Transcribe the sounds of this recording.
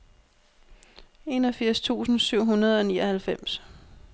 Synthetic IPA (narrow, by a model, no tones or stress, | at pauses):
e̝ːnɒ̽fiɐ̰st͡sʰṵːsn̩syʊ̰ɦunɐð̞ˠɒ̽niːɒhælfem̰s